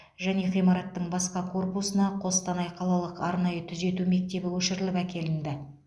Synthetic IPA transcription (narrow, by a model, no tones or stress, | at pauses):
ʒæne̞ʁijmɑɾɑt̪ːəɴbɑsqɑkʰo̞rpusənɑqʰo̞st̪ɑnɑjqʰɑlˠɑlˠəqɑɾnɑjət̪ʰʏze̞t̪ume̞k̚t̪e̞bɪwɵʃɪɾɪlɪpækʲe̞lɪnd̪ɪ